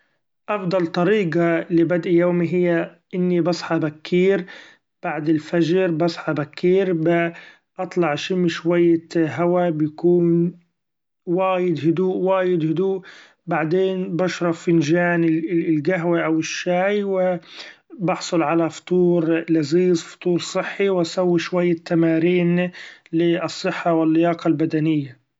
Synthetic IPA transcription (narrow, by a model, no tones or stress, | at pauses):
ʔɑfd̪ˤɑlt̪ˤɑɾiːɡalɪbad̪ʔjoːmiɦɪjːaʔɪnːibɑsˤħɑbakʰːiːɾ | b̥aʕd̪ɪlfaʒɾbɑsˤħɑbakʰːiːɾbɪ | ʔɑt̪ˤlɑʕʃɪmːʃwajːaɦawabjakuːn | waːjɪd̪hʊd̪uːʔwaːjɪd̪hʊd̪uːʔ | baʕd̪eːnbɑʃɾˤɑfɪnʒaːnɪlɡaɦwaʔawɪʃːaːjwɪ | bɑħsˤʊlʕalaft̪ˤuːɾlaziːzfʊ̥t̪ˤuːɾˤsˤɨħːiwʔasawːiʃwajːat̪ːamaːɾiːnlɪɨsˤːɨħːawɪlːɪjɑːqɑlbad̪anɪjːa